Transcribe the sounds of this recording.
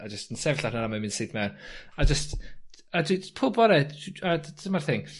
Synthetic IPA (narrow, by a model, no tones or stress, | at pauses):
ad͡ʒəstənsɛvɬanaamamɪ̃ndsɪdmɛnad͡ʒəst | adwipʰʊbɔɾɛamarθɪŋ